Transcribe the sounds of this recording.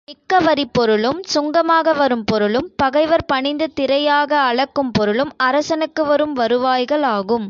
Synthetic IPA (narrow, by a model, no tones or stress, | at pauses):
nɪkːɐʋɐɾipːɔɾɯɭɯmsʊŋɡɐmaːɣɐʋɐɾɯmpɔɾɯɭɯmpɐɣɐɪʋɐɾpɐɳɪnd̪ɯt̪ɪɾɐjaːɣɐːɭɐkːɯmpɔɾɯɭɯmɐɾɐsɐnɯkːɯʋɐɾɯmʋɐɾɯʋaːjɣɐɭaːɣɯm